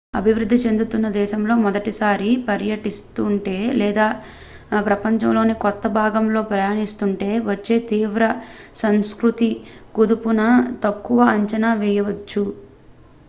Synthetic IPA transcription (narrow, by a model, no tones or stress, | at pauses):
ɐ̰bʱiʋɾud̪ʱːit͡ʃe̞nd̪ut̪unːɐd̪ɛːʃɐmlo̞ːmɔd̪ɐʈisaːɾipɐɾjɐʈist̪uɳʈe̞ːlɛːd̪aː | pɾɐpɐɲt͡ʃɐmlo̞ːnikɔt̪ːɐbʱaːɡɐmlo̞ːpɾɐjaːnist̪uɳʈe̞ːʋɐt͡ʃːe̞ːt̪iːʋɾɐsɐmskɾut̪iɡud̪upunɐt̪ɐkːuʋɐːɲt͡ʃɐnaːʋɛjɐʋɐt͡ʃːu